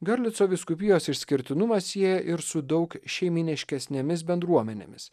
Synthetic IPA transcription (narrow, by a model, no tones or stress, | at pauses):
ɡɐɾʲlʲɪt̪soːʋʲɪskʊpʲɪjoːsɪʃʲsʲkʲɪɾʲt̪ʲɪnʊmɐssʲiɛjɛʔɪɾsʊd̪ɒʊkʃʲɛɪmʲɪnʲɪʃʲkʲɛsʲnʲemʲɪs̬bʲɛnd̪ɾuɔmʲɛnʲḛːmʲɪs